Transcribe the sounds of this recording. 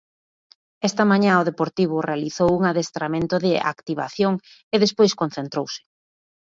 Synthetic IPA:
ɛst̪ɐmaɲãoð̞epoɾt̪iβ̞ʊrealiθowuŋaðest̪ɾamẽnt̪ʊðɪʔa̰kt̪iβ̞a̰θjoŋ | eðespojskonθent̪ɾowsɪ̥

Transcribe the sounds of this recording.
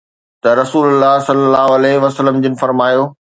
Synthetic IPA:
t̪ɐɾɐsuːlʊlːaːɦsɐlːəlːaːɦoɐlɛɦʋɐsələmd͡ʑɪnɪ̆fɐɾmaːjoː

